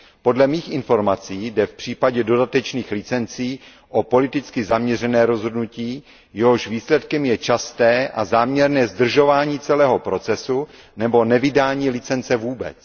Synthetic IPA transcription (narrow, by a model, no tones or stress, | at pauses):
po̞dlɛmiːxʔɪnfo̞ɾmat͡siːdɛfpr̝̥iːpaɟɛdo̞dat̪ɛt͡ʃniːxlɪt͡sɛnt͡siː | ʔopo̞lɪt̪ɪt͡skɪzamɲɛrɛnɛːɾo̞zɦodnuciː | jɛɦo̞ʃviːslɛt̪kɛmjɛt͡ʃast̪ɛːʔazaːmɲɛɾnɛːzd̪r̩ʒo̞vaːɲiːt͡sɛlɛːɦo̞pɾo̞t͡sɛsu | nɛbo̞nɛvɪdaːɲiːlɪt͡sɛnt͡sɛvuːbɛ̰t͡s